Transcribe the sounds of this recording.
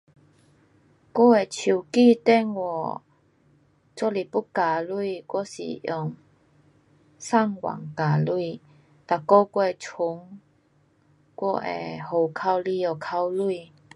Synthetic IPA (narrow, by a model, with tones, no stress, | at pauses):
kɔ˦˥e˨˩t͡ɕʰu˨˩ki˥˧t̪ɛ˥˧˨ŋwɔ˨˩ | t͡sɔ˧li˨˩pu˦˥ka˨lu˥˧˨kwɔ˧sḭ˨˩jɔ˨˩ŋ | sa˥˧ŋwa̰˨˩ŋka˨˩lu˥˧ | t̪a˨˩kɔ˧˦kwɔ˧e˨˩t͡sʰu˨˦ŋ | kwɔ˧ʔḛ˨ho˨˩wkʰa˧wli˧ɔ˨˩kʰa˧wlu˥˧